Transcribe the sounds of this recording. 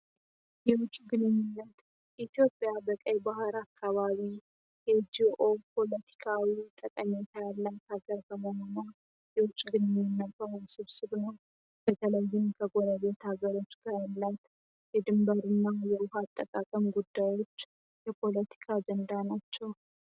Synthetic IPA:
jɛwʊt͡ʃʼːuɡɨnɨɲːunːət̪ | ʔit̪jo̞pʼːjabəkʼəjbahɨɾakʰːaβaβi | jɛd͡ʒiʔo̞pʰo̞lət̪ʰi̥kʰawit̪ʼəkʼəɲet̪ʰajalːat̪aɡəɾɡʰəmohona | jɛwʊt͡ʃʼɡɨnɨɲːɪnːətːəɾsɨβsɨβnəw | b̥ət̪ʰələjːɪmkʰəɡo̞ɾəβe̞t̪haɡəɾo̞t͡ʃːɡ̥ajalːat̪ | jɛd̪ɨmbəɾɨnːajɛwʊɦat̪ʼːəkʼakʼəmɡud̪ːajwo̞t͡ʃː | jɛpʰo̞lət̪ʰi̥kʰad͡ʒɛnd̪anat͡ʃːɛw

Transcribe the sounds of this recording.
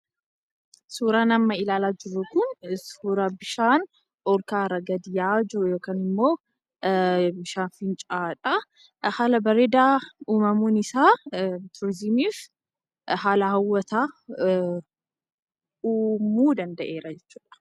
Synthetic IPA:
suːɾaːnɐmːɐɪlaːlaːd͡ʒɪrːʊkʊnsuːɾabɪʃaːn | ʔɔlkaːɾɐɡɐd̪ɪjaːd͡ʒɪɾʊjo̞ːkaːnɪmːo̞ː | bɪʃaːnfɪnt͡ʃʼaːᶑʼɐ | haːlɐbɐɾed̪aːuːmɐmuːnɪsaːt̪ʰʊɾɪzɪmiːf | haːlɐhɐwːɐt̪aː | uːmuːd̪ɐnd̪ɐʔe̞ːɾɐd͡ʒɛt͡ʃːu̥ːᶑɐ̥

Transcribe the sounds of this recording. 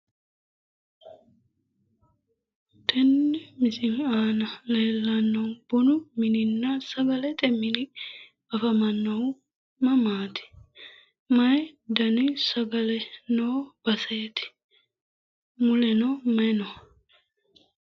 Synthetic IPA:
t̪ʰɛnːɪmɪsɪnaːnɐleːlːɐnːɐwb̥ɔnʊmɪnɪnːɐsɐɡɐlɛt̪ʼɛmɪnɪ | ɐfɐmɐnːɐ | mɐmaːt̪ɪ̥ | mɐjd̪ɐnɪsɐɡɐlɛnoːb̥ɐsɐɛt̪ɪ̥ | mʊlɛnɔmɐnɔ

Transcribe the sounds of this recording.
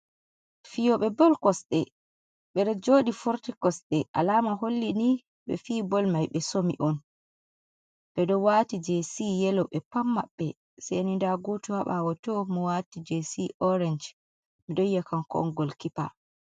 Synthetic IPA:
fijɔɓɛbɔlkɔsɗɛ | ɓɛɾɔd͡ʒoːɗifuɾtikɔsɗɛʔalaːmaɦolːini | ɓɛ̰fiːbɔlmajɓɛsomiʔɔn | ɓɛdɔwatid͡ʒesijɛlɔɓɛpamːa̰ɓːɛ | sɛnindaɡɔtuhaɓawatɔmɔwatid͡ʒesiʔɔɾɛnd͡ʒ | miɗɔjːakankɔ̰nɡɔlkipa̰

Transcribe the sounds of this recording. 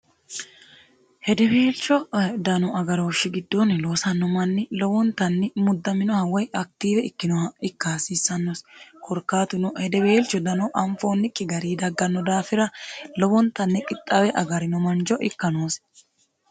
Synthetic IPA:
hɛd̪ɛbe̞ːlt͡ʃːɔd̪ɐnɔɐɡɐɾo̞ːʃːɪɡɪd̪ːonlo̞ːsɐnːɔmɐnːɪlɔbɔnt̪ɐnːɪmʊd̪ːɐmɪnɔhɐwɔjʔɐk̚t̪iːbɛɪkːɪnɔɪkːaːsiːsːɐnːɔskʰɔɾkːaːt̪ʊnɔhɛd̪ɛbe̞ːlt͡ʃːɔd̪ɐnɔʔɐɱfo̞ːnːɪkʼːɪɡɐɾiːd̪ɐɡːɐnːɔd̪aːfɪɾɐlɔbɔnt̪ɐnːɪkʼɪt̪ʼːɐwɛʔɐɡɐɾɪnɔmɐnd͡ʒɔʔɪkːɐnoːs

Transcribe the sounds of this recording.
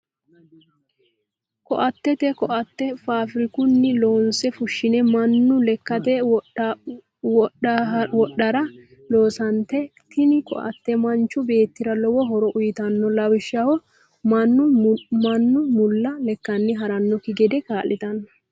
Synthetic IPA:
kɔ̰ʔɐt̪ːɛt̪ɛkɔʔɐt̪ːɛfaːfɪɾɪkʊnːɪlo̞ːnsɛfʊʃːɪnɛmɐnːʊlɛkːɐt̪ɛ | wɔɗːɐɾɐ | lo̞ːsɐnt̪ɛt̪ɪnɪkɔ̰ʔɐ̰t̪ːɛmɐnt͡ʃːʊbe̞ːt̪ːɪɾɐlɔwɔɦɔɾɔʔʊjɪt̪ɐnːɔlɐwɪʃːɐhɔ | mɐnːʊmɐnːʊmʊlːɐlɛkːɐnːɪɦɐɾɐnːɔkɪɡɛd̪ɛkaːlːɪt̪ɐnːɐ

